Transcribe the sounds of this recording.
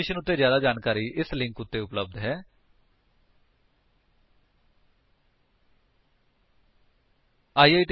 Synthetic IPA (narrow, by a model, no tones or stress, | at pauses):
ɪʃənʊt̪ːeːzjaːd̪aːd͡ʒaːnkaːɾiːʔɪslɪ̃ŋkʊt̪ːeːʊpləb̚d̪ɦɛː | aːiːaːiʈ